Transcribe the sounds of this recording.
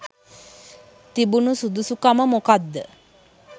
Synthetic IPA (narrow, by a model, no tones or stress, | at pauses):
t̪ibunusud̪usukaməmokad̪ːə